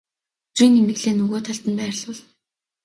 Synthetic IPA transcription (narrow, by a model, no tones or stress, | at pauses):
t͡sriːnimeɣɮeːnɵɣoːt̪ʰaɬt̪ə̆npæːr̆ɮʊ̆ɮ